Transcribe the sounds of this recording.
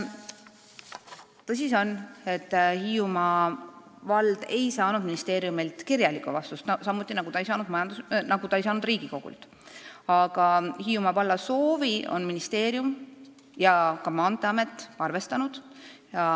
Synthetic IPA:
t̪ɤs̬ʲiso̞ne̞t̪ːhiːumɑ | vɑld̪̥e̞jsɑːnud̪̥minist̪eːɾijumilt̪kirjɑlikːˑṵvɑst̪ust̪nɑsɑmːut̪ːˑinɑɡut̪ɑejsɑːnud̪mɑjɑnd̪usnɑɡut̪ɑejsɑːnud̪̥riːɡ̥iko̞ɡ̥ṵlt̪ | ɑɡ̥ɑhiːumɑvɑlːɑso̞ːvio̞̰nminist̪e̞ːɾijum | jɑkɑmɑːnt̪ˑeɑme̞t̪ːˑɑrve̞st̪ɑnud̪̥jɑ

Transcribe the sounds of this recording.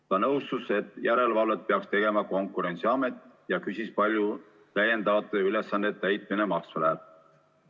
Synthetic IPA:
t̪ɑnɤwst̪use̞t̪ːˑjæɾe̞lvɑlvet̪̚peɑkst̪e̞ɡ̥e̞mɑko̞ŋkːˑuɾe̞nʲt̪siɑme̞t̪ˑjɑkysispɑlʲju | t̪æjːe̞nd̪ɑɑt̪ːˑueyle̞sːɑnːet̪ːˑæjt̪̚ˑminemɑksvelæl

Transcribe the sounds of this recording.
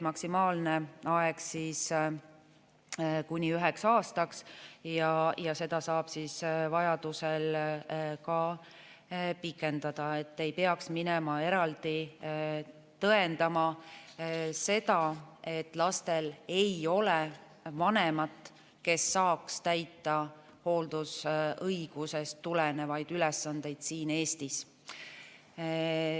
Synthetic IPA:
mɑksimɑːlneɑeɡ̥siːs | kunʲiyɦɛksɑːst̪ɑksjɑjɑse̞d̪̥ɑsɑːb̥siːsvɑjɑd̪̥usel | kɑ | pikːˑe̞nd̪̥ɑd̪̥ɑe̞t̪ːe̞jpeɑksminemɑe̞ɾɑld̪̥i | t̪ɤe̞nd̪ɑmɑ | se̞d̪ɑe̞t̪ːˑlɑst̪e̞le̞jo̞le | vɑne̞mɑt̪ | ke̞sːɑːkst̪æjt̪ːˑɑ | ho̞ːld̪̥usɤjɡ̥use̞st̪ːulene̞vɑjd̪̥ylɛsːɑnd̪̥e̞jd̪̥siːne̞ːst̪is

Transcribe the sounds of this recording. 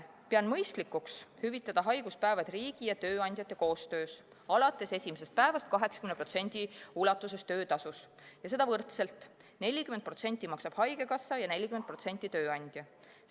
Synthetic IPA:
peɑnmɤjst̪likːukshyvit̪ːˑɑd̪̥ɑɦɑjɡ̥uspæevɑd̪riːɡ̥ijɑt̪ø̞ːɑnʲd̪̥ʲjɑt̪ˑːeko̞ːst̪ø̞ːs | ɑlɑt̪ːˑe̞sesʲimese̞st̪̚pæevɑst̪̚kɑɦe̞ksɑ̥kymnepro̞t̪se̞nʲd̪̥iulɑt̪ːˑuse̞st̪ø̞ːt̪ɑsus | jɑse̞d̪ɑvɤrt̪se̞lt̪ˑ | ne̞lʲːikymenpro̞t̪se̞nʲt̪ʲːˑimɑksɑb̥hɑjɡe̞kɑsːɑjɑne̞lʲːikyment̪̚pro̞t̪se̞nʲt̪ːˑit̪ø̞ːɑnʲd̪̥jɑ

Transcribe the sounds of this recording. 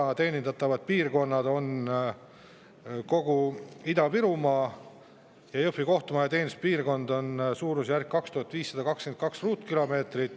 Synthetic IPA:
ɑt̪e̞ːnʲinɑt̪ːˑɑvɑd̪̥̚piːrko̞nːɑd̪̥o̞n | ko̞ɡ̥uid̪ɑpiɾumɑː | jɑjofiko̞ht̪umɑjɑt̪e̞ːnis̚piːrko̞nd̪o̞nsuːɾusjærkkːɑkst̪uhɑt̪ːˑviːsːɑd̪ɑkɑkske̞nt̪̚kɑksruːt̪ˑkilo̞me̞ːt̪rit̪ːˑ

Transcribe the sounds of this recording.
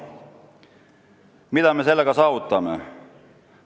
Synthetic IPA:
mit̪æmese̞lːækɑsɑːʋut̪ːɑmːḛ

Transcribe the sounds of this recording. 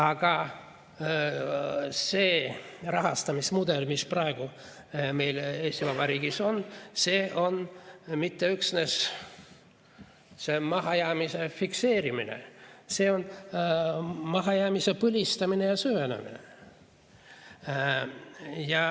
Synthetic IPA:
ɑɡ̥ɑ | seːrɑɦɑst̪ɑmismud̪̥e̞lmisprɑeɡ̥u | me̞jle̞ːsʲt̪ivɑbɑɾiːɡ̥iso̞nse̞ːʔo̞nmit̪ːeyksnes | se̞mɑɦɑjæːmise̞fikse̞ːɾiminḛse̞ːo̞n | mɑɦɑjæːmise̞pɯlʲist̪ɑminejɑsyvenḛmḭnḛ | jɑ

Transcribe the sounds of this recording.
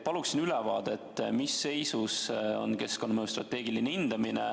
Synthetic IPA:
pɑluksinylɛvɑːd̪et̪ːˑmisːe̞jsuso̞̰nke̞skonmijust̪rɑt̪ːˑe̞ːɡilineind̪̥ɑminḛ

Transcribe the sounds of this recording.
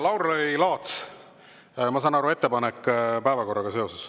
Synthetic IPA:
lɑwɾejlɑːt̪s | mɑsɑːnɑɾue̞t̪ːepɑnekːpæevɑko̞rːɑɡ̥ɑse̞o̞ses

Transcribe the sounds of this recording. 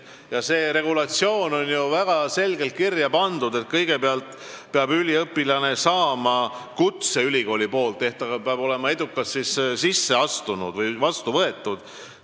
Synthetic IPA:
jɑse̞ːɾe̞ɡ̥ulɑt̪sio̞ːno̞nʲjuvæɡ̥ɑse̞lɡ̥e̞lt̪̚kirjɑpɑnd̪ud̪e̞t̪̚kɤ̞jɡ̥e̞peɑlt̪ˑ | peɑbylʲiɤpːˑilɑne̞sɑːmɑkut̪se̞ylʲiɡo̞ːlʲipo̞ːlt̪ːe̞ht̪ɑɡɑpeɑbo̞le̞mɑe̞d̪ukːˑɑssissisːe̞ɑst̪unṵd̪vɤjvɑst̪uvɤe̞t̪ːˑud̪̥

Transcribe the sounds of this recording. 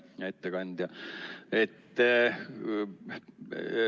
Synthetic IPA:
jɑet̪ːekɑnʲd̪̥jɑet̪ː

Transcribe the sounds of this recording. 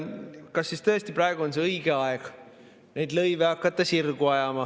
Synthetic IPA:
kɑsːist̪ø̞est̪ipɾɑeɡ̥uo̞nseɤjɡe̞ɑeɡ̥ | ne̞jd̪lɤjveɑkːˑɑt̪ːˑɑsirɡ̥uɑjɑmɑ

